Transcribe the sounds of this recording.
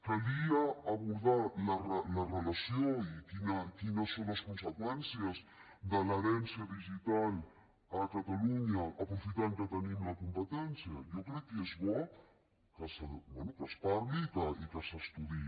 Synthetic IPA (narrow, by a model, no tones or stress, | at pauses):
kaliaːβuɾðalarəlarəlasjoikinakinasːonlaskunsəkwɛnsjaz | d̪əlaɾɛnsjaðiʒit̪al | akat̪aluɲaʔapɾufit̪aŋkət̪ənimlakumpət̪ɛnsjajokɾɛkːezβɔ | kəsəbwɛnukaspaɾlikaikasast̪uði